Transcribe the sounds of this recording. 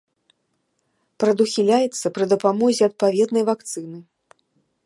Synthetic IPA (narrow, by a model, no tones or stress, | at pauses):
pɾɐd̪uxʲilʲajɛt̪sːɐpɾɨd̪ɐpamɔzʲɛɐt̪̚pavʲɛd̪nɐjvakt̪sɨnɨ